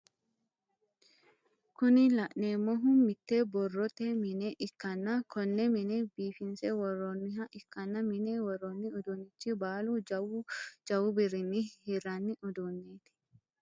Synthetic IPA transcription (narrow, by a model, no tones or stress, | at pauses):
kʊnɪlɐʔneːmːɔɦʊnmɪt̪ːebɔrːɔt̪ɛmɪnɛʔɪkːɐnːɐkʰɔnːɛmɪnɛbiːfɪnsɛwɔrːɔnːɪɦɐʔɪkːɐnːɐmɪnɛwɔrːɔnːɪʊd̪unɪt͡ʃːibaːluwd͡ʒɐwʊbɪɾɪnːihɪrːɐnːɪʊd̪unːeːt̪ɪ̥